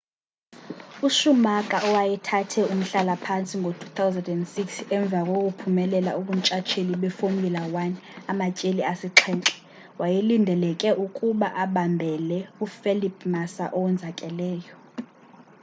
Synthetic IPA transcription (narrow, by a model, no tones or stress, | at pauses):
uʃumakʼaɔwajɛtʰatʰɛum̩ɬalapʰant͡sʼiŋɡʱotʰu̥t̪ʰawzɛndɛndsiksɛɱb̪vʱakʼok̬ʼupʰumɛlɛla̰ukum̩t͡ʃʼat͡ʃʰeliɓɛfomʱilawanɛamacʼeliasiǁʰɛːnǁɛ̥ | wajelindʱɛlɛkʼɛʔukʼuɓaʔaɓambʱɛlɛufɛlipʼʰmasa̰ʔɔwɛnd͡zʱakʼɛlɛːjɔ